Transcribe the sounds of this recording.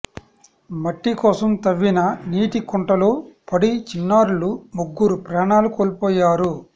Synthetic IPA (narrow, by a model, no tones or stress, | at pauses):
mɐʈːikɔːsɐmt̪ɐʋːinɐniːʈikɔɳʈɐloːpɐɽit͡ʃinːaːɾulumuɡːuɾupɾaːɳaːlukoːlpɔːjaːɾu